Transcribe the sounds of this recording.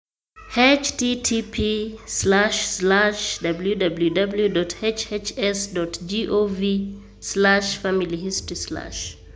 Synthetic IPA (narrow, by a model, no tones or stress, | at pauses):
het͡ʃtitʰipʰislaʃslaʃdabl̩judabljudabljudɔtʰet͡ʃet͡ʃɛsdɔtd͡ʒiʔovi | slaʃfamilihistɹisla̰ʃ